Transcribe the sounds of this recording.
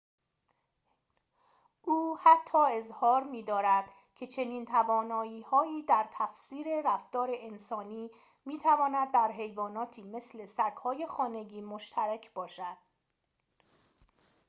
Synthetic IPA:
ʔuːhæt̪ʰːɒːe̞zhɒːɾmiːd̪ɒːɾæd̪̥ | cʰe̞t͡ʃʰe̞niːnt̪ʰævɒːnɒːjiːhɒːiːd̪æɾt̪ʰæfsiːɾe̞ræft̪ɒːɾe̞ensɒːniː | miːt̪ʰævɒːnæd̪ːæɾɦe̞jvɒːnɒːt̪ʰiːme̞sle̞sæɡhɒːje̞xɒːne̞ɟiːmoʃt̪ʰæɾecʰb̥ɒːʃæd̪̥

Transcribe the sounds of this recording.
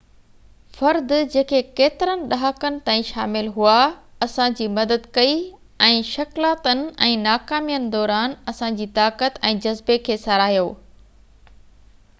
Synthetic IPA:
fɐɾd̪d͡ʑeːkʰekeːt̪ɪɾənɪ̆ɗaɦəkənɪ̆t̪aːĩʃa̰ːmɪlɦuaɐsãd͡ʑiːmɐd̪əd̪kɐi | ɛ̃ːʃɐklaːt̪ənɪ̆ɛ̃ːnaːkaːmijənɪ̆d̪ɔːɾaːnɐsãd͡ʑiːt̪aːkət̪ɛ̃ːd͡ʑɐzbekʰeːsɐɾaːɦijoː

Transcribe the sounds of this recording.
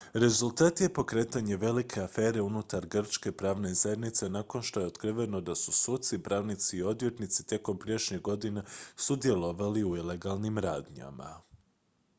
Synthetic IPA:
ɾe̞zulˠt̪aːt̪je̞po̞kɾe̞ːt̪aɲe̞ʋe̞likʰe̞afeːɾe̞unut̪aɾɡr̩t͡ʃke̞pɾaːʋne̞zaje̞d̪nit̪se̞nako̞nʃt̪o̞je̞ot̪kɾiʋe̞no̞d̪asu̥sut̪sipɾaːʋnit̪siːo̞d̪ʋje̞t̪nit̪si̥t̪e̞ko̞mpɾijeʃɲeɡo̞d̪inesud̪je̞lo̞ʋaliuile̞ɡalˠnimɾaːd̪ɲa̰ma̰

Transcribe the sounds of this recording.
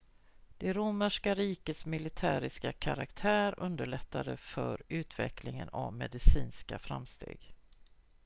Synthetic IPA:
d̪̥ɛɾʊməʂkaɾiːkət̪smɪlɪt̪ʰæːɾɪskakʰaɾakt̪ʰæːɾɵnd̪əɭɛt̪ʰːad̪əfœɾʉ̟ːt̪ʰvɛkʰlɪŋənavmɛd̪ɪsiːnskafɾa̰mst̪ʰḛːɡ̥

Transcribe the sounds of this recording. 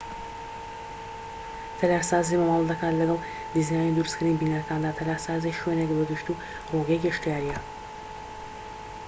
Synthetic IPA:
t̪ʰɐlaːɾsaːzimawɑlˠd̪ɐkʰaːt̪lɐɡɑlˠ | d̪izaːjnid̪uɾskʰɨɾiːnbiːnaɾɐkʰaːnd̪aːt̪ʰɐlaːɾsaːziʃwenekd̪oɡ̪ɨʃt̪u | roɡekʲiʃt̪jaːɾijɛ

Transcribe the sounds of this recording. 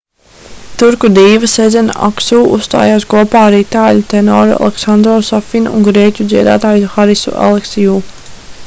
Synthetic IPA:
t̪uɾkud̪iːvɐsɛd̪zɛnaʔaksuːʔṵsst̪a̰ːjaːskuɔpaːaɾiːt̪aːʎut̪enɔ̰ːɾa̰lˠeksand̪ɾɔːsafinṵŋɡɾiɛcʲud̪ziɛd̪a̰ːt̪aːjsxaɾisṵʔa̰lˠeksijuː

